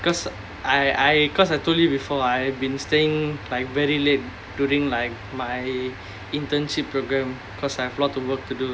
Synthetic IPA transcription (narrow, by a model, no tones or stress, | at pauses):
kɔs | ʔajajkɔs̬ajtoljubifɔajɛbĩnsteɪ̃ŋlaɪk̚vɛɹilet̚ | djuɹĩŋlaɪk̚maj | ĩntə̃nʃipːɹoɡɹɛ̃m | kʰɔsajɛvlɔtːuwək̚tudu